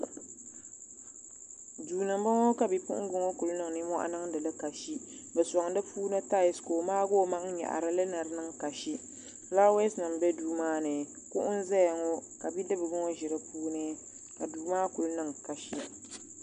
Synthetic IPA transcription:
duː˨nɨ˨m˦ba˦ŋɔ˦ka˨bi˨pʊ̰˦ʔʊ̰˦ɡʊ˦ŋɔ˦ku˨lnɨ˦ŋ˨ni˦mɔ˦ʔa̰˦nɨ˦ŋdɨ˨lɨ˦ka˨ʃi˦bɨ˨sɔ˨ŋ˨dɨ˦puː˦nɨ˦ta˦jɪ˨˦sko˨maː˦ɡo˦˨ma˦ʔŋ̩˦ɲɛ̰˨ʔa̰˨ɾɨ˦lɨ˦nɨ˨ɾɨ˦nɨ˦ŋka˨ʃi˦ | la˦we˦snɨ˨m˨bɛ˦duː˨maː˦nɨ˨ | ku˦ʔʊ˦n˦zɛ˦jŋɔ˦ka˨bi˦dɨ˦bɨ˨ɡɨ˦ŋo˦ʒɪ˨ɾɨ˦puː˦nɨ˦ | ka˨duː˨maː˦ku˨lnɨ˦ŋka˨ʃi˦

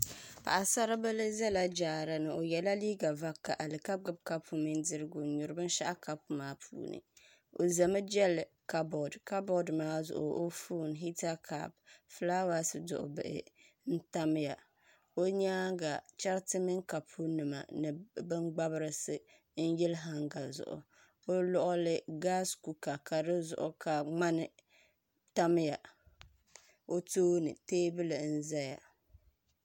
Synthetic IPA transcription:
pa̰˨ʔa˨sa˦ɾɨ˦bɨ˦lɨ˦zɛ˦la˦d͡ʒaː˨ɾɨ˨nɨ˨o˨jɛ˨la˦liː˦ɡa˨va˦kːa˨ʔa˨lɨ˨ka˦b̚ɡɨ˦b̚ka˦pʰːu˨mi˦ndɨ˦ɾɨ˦ɡʊ˨ɲʊ˨ɾɨ˨˦bɨ˦n˦ʃa˦ʔa˦ka˦pmaː˦pʰṵː˨nɨ̰˨ | o˨za˨mɨ˦d͡ʒɛ˦l | ka˦bɔ˨dka˦bɔ˦dmaː˦zʊ̰˨ʔʊ̰˨ʔo˦fu˦˨nɦi˦ta˦kʰa̰˨bfla˦wa˦sɨ˨dʊ̰˨ʔʊ̰˨bɨ˦˨ʔɪ̰˨ | n̩˦ta˦m˦ja˨ | o˦ɲa˦ɡa˨t͡ʃa˦ɾtɨ˦mɪ˦ŋka˨pʰu˦nɨ˨ma̰˨nɨ˨bɨ˦ŋɡ͡ba˦bɨ˦ɾɨ˦sɨ˨ | n̩˦jɛ˦lɦa˦ŋɡa˨zʊ̰˨ʔʊ̰˨ | o˦lɔ˦ʔʊ˦lɪ˦ɡa˦sku˨ka˨ka˨dɨ˦zʊ̰˨ʔʊ˨kʰa˨ŋ͡ma˦nɨ˨ | ta˦m˦ja˨ | o˦toː˦nɨ̰˨teː˦bɨ˦lɨ˨n̩˦za˦ja̰˨

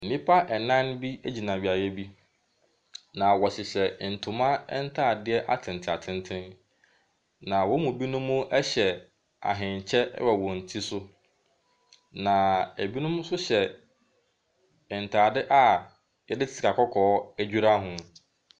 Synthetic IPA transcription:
m̩˨nĩ˦pʰa˦ʔɛ˨nã˦n˦bi˦æ˦d͡ʑi˨nã˨ɥi˨a˨jɛ˦bi˦ | nã˨wɔ˨ɕɪ˨ɕɛ˨n̩˨tʰʊ̃˨mã˦ɛ˦n̩˦tʰaː˦˨dɪ˦ɛ˦ʔa˨tʰɪ̃˨n˨tʰɪ˨a˨tʰɪ̃˦ntʰɪ̃˦n | nã˨wɔ˦mũ˨bi˦nʊ̃˦mːʊ̃˦ʔɛ˦ɕɛ˨ | a̰˨ɦɪ̃˨ɲ˨t͡ɕʰɛ̰˦wɛ˨wɔ̃˨n̩˨tʰi˦sʊ˦ | nã˨æ˨bi˦nʊ̃˦m˦sʊ˦ɕɛ˨ | ɪ˨n̩˨tʰaː˨dɪ˦ʔa˦ | jɛ˨dɪ˦tɪ̥˨tʰɪ˨a˨kʰɔ˦kʰɔː˨˦æ˦d͡ʑᶣu˦ɾa˦ɦʊ̃˨

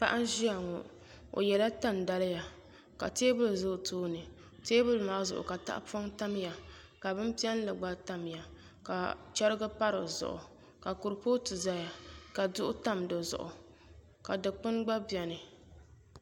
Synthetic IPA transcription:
pa̰˦ʔa˦n˦ʒi˦a˨ŋɔ̰˨ | o̰˨jɛ˨la˦ta˦˨n˨da˦lɨ˦ja˨ | ka̰˨teː˦bʊ˦lzʊ˦˨tʰoː˦nɨ˨ | teː˦bʊ˦lmaː˦zʊ̰˨ʔʊ̰˨ka˨ta̰˦ʔpa˦ŋta˦m˦ja˨ | ka˨bɨ˦m˦pi˦ɛ˦n˦lɨ˨ɡ͡ba˦ta˦mja˨ | ka̰˨t͡ʃɛ˦ɾɨ˦ɡɨ˦pa˦ɾɨ˨zʊ̰˨ʔʊ̰˨ | ka˨kʊ˨ɾpoː˦tɨ˨za˦ja˨ka˨dʊ˦ʔʊ˦ta˦mdɨ˨zʊ̰˨ʔʊ̰˨ | ka˨dɨ˨k͡pɨ˦nɡ͡ba˦bi˨ɛ˨nɨ˨

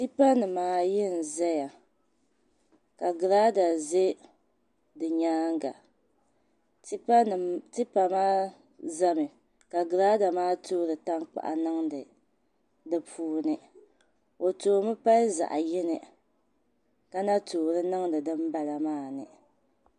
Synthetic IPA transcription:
ti˦pa˦nɨ˨maː˨˦˨jɪ˦n̩˨zɛ˦ja˨ | ka˨ɡɨ˨ɾaː˦da˨ze˦ | dɨ˨ɲaː˦ŋ˦ɡa̰˨˦˨ | tɨ˦pa˨maː˦ | za˦mɨ˨ | ka˨ɡɨ˨ɾaː˦da˨maː˦toː˦ɾɨ˨ta˦ŋk͡pa̰˨ʔa̰˨nɨ˦ŋdɨ˨ | dɨ˦pʰuː˦nɨ˨ | o˨toː˨˦mɨ˦pa˦lza̰˨ʔa˨jɪ˦nɨ˨ | ka˦na˦toː˨ɾɨ˦nɨ˦ŋdɨ˨dɨ˦m˦ba˨la˨maː˦˨nɨ̰˨

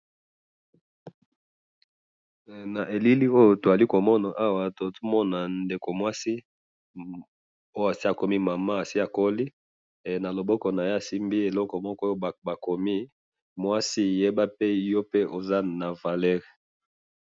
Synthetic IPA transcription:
na˨ʔe˨li˦li˦o˦jo˨to˨a˨li˦ko˨mɔ˦na˨ʔa˦wa˨to˨to˦mɔ˦na˨nde˨ko˨mwa˦si˦ | o˦jo˦˨a˨si˦a˨ko˦mi˦ma˨ma˦a˨si˦a˨ko˦li˦ | e˨na˨lo˨bɔ˦kɔ˨na˨je˦a˨si˦mbi˦e˨lɔ˦kɔ˨mɔ˦kɔ˦o˦˨ba˨ko˨mi˦ | mwa˦si˦˨je˦ba˦pe˦jo˦pe˦ʔo˨za˦na˨va˨lɛ˦ʁ

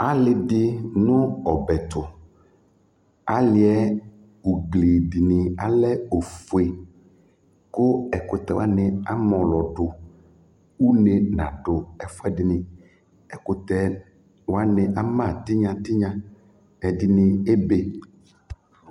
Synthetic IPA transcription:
a˦lɪ˨dɪ˦nʊ̃˦ɔ˨bɛ˨t̪ʊ˨ | a˦lɪ˨˦ɛ˦ | u˨ɡle˨dɪ˨nɪ̃˨a̰˨lɛ˦o˨fu˨e˨ | kʊ˦ɛ˨kʊ˨t̪ɛ˨wa˦nɪ̃˨a˦mɔ̃˨lɔ˨ɖʊ˨ | u˦ne˨nã̰˨ɖʊ˨ɛ˨fʊ˦ɛ˦dɪ˨nɪ̃˨ | ɛ˨kʊ˨t̪ɛ˨ | wa˦nɪ̃˨ʔa˦mã˦˨t̪ɪ˦ɲã˨t̪ɪ˦ɲã˨ | ɛ˨dɪ˨nɪ̃˨e˦be˨

